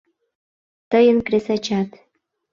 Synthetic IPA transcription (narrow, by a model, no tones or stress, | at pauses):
t̪əjənkɾesɑt͡ɕɑt̪